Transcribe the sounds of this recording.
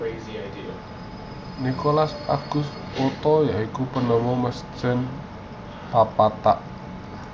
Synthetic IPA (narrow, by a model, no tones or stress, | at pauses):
eziajdia | nikolasa̰ɡ̥ʊ̤s | ot̪ɔjaikupənɔwɔməsə̥t͡ʃən | papat̪aʔ